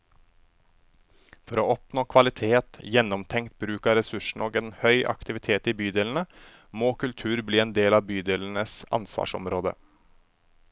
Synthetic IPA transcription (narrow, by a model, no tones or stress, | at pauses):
fɔɾoːɔpnoːkʰʋɑlɪt̪ʰeːt̪jɛnɔmt̪ʰɛŋkt̪̚bɾʉːkɑɾɛsʉʂɳ̩oːɡeːnhœʏʔɑ̰kt̪ɪʋɪt̪ʰeːt̪iːbyːd̪eːln̩ə | moːkʉlt̪ʰʉːɾbliːeːnd̪eːlɑːʋbyːd̪eːln̩əsɑ̰nsʋɑ̰ːʂɔ̰mɾoːd̪ə̰